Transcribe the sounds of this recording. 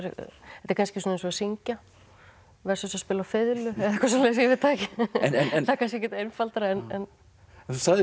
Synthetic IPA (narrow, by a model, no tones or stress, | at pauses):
ɾ̰ɛht̪ɪɾ̥kʰanskcɪsɔnaens̬ɔsiɲca | vɛɾ̥sʏsaspɪːlawfɪðlʏɛðaɛkvas̬ɔlɛːsɛvɪt̪ʰaːcɪɛnɛθaɾkans̬cɛhcɛɾt̪ejnfalt̪aɾaɛnɛn | ɛnθusaðɪ